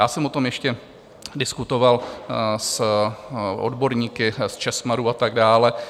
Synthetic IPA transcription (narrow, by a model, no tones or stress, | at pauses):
jaːsɛmot̪o̞mjɛʃcɛ | dɪskut̪o̞vals | ʔo̰dbo̞ɾɲiːkɪst͡ʃɛsmaɾuːat̪aɡdaːlɛ